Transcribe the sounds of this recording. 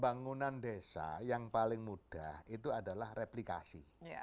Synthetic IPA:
baŋunandesa̰jaŋpalɪŋmud̥ahit̪uadalahreplika̰sḭ

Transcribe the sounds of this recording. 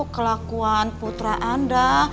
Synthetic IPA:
kəlakuanput̪ɾaʔanda

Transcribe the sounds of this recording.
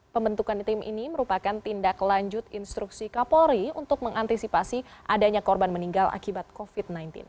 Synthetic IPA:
pəmbənt̪ukant̪ɪmʔḭniməɾupakant̪indaklaɲd͡ʒʊt̪inst̪ɾuksikapoɾiunt̪ʊk̚məŋant̪isipasiʔadaɲakɔrbanməniŋɡalʔa̰kibat̪̚kofit̪̚najnt̪ɪ̰n

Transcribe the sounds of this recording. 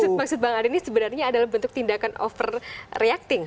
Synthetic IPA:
sʊt̪̚mak̚sʊt̪̚baŋadinisəbənarɲaːdalahbənt̪ʊk̚t̪indakanʔɔ̰fərreak̚t̪ɪŋ

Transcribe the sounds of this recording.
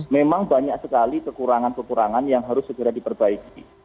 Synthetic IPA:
memaŋbaɲaksəkalikəkuɾaŋankəkuɾaŋanjaŋɦaɾʊsːəɡəɾadipərbaiki

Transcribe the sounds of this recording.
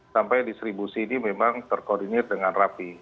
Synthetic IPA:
sampajdist̪ɾibusiːnimemaŋt̪ərkordinirdəŋanrapi

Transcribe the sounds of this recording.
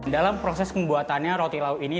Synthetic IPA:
dalampɾosɛskəmbuat̪anɲaɾot̪ilauini

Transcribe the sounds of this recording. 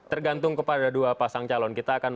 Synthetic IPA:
t̪ərɡant̪ʊŋkəpadaduapasaŋt͡ʃalɔnkit̪aːkan

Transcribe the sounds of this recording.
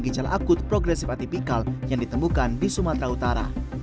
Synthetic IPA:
ɡid͡ʒalʔa̰kʊt̪̚pɾɔɡɾɛsɪfat̪ipikaljaŋdit̪əmukandisumat̪ɾaut̪aɾa̰

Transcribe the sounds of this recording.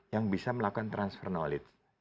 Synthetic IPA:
jaŋbisaməlakuant̪ɾansfɛrnolɪt̪s

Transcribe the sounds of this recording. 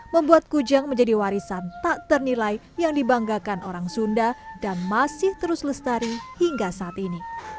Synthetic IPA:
məmbuat̪̚kud͡ʒaŋməɲd͡ʒadiwaɾisant̪aʔt̪ərnilaj | jaŋdibaŋɡakanoɾaŋsundadanmasɪht̪əɾʊsləst̪aɾihiŋɡasaːt̪ini

